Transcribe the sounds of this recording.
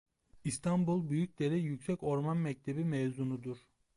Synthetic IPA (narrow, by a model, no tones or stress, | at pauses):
ist̪ʰanbulˠbyjyc̚d̪eɾɛjycsɛco̞ɾmanmɛc̚t̪ʰebimɛvzunud̪uɾ̥